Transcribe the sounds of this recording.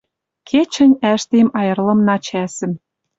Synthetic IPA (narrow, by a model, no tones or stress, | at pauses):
kʰet͡ɕə̆nʲæʃt̪emɑjɤ̆rlɤ̆mnɑt͡ɕæsɘ̆m